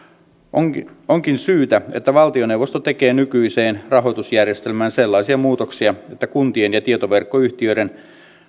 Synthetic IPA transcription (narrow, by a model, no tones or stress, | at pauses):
oŋkinsyːt̪æet̪ːæʋɑlt̪ione̞wʋo̞st̪ot̪e̞ke̞ːnykyise̞ːnrɑɦo̞jt̪usjærjest̪e̞lmæːnselːɑisiɑmuːt̪oksiɑet̪ːækunt̪ienjɑt̪iet̪oʋe̞rkːoyçt̪iøiɾen